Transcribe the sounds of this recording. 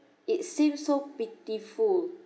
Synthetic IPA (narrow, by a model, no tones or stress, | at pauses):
itsĩmsobitiful